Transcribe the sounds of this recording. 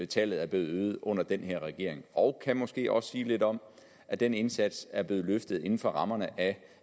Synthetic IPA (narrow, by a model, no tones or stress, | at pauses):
et͡sʰɛ̰ːlð̞̩ˠæɐb̥le̝ːð̩ˠøːð̩ˠʔɔ̽n̰ɐd̥enheɐ̰ʁɛɡ̥e̝ɐ̰e̝ŋɒʊkʰæmɒ̽sɡ̥e̝̰ːʔɒ̽ssiːle̝d̥ɒ̽m | ʔæd̥ene̝nsæd̥sæɐb̥le̝ːð̩ˠløfd̥ð̩ˠe̝n̩fɒ̽ʁɑ̈mɐnəʔæ